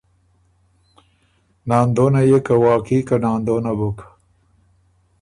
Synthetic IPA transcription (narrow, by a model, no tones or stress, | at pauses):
nɑːnd̪onajekawɑːkikanɑːnd̪onabʊk